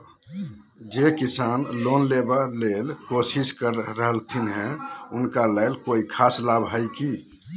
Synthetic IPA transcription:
d͡ʒekisanlonlebalelkosiskəɾːəɦəlt̪ʰinɦɛ̃unkaləlkoikʰaslabʱɦəjki

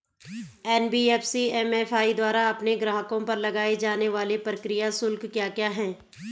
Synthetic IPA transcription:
ɛːnbiːɛːfsiɛmɛfʰaːid̪waːɾaɐpneɡɾaːɦəkõpɐɾlɐɡaːed͡ʒaːneʋaːlepɾəkɾɪjasʊlkkjaːkjaːɦɛ̃ː

